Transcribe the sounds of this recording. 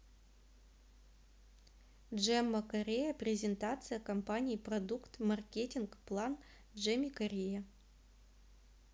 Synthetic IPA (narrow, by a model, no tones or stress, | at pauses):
dʐɛmːɐkɐɾʲejəpɾʲɪzʲɪnt̪at̪sɨjəkɐmpanʲijiprɐd̪ukt̪mɐrkʲetʲɪnkplˠan | dʐɛmʲikɐɾʲejɐ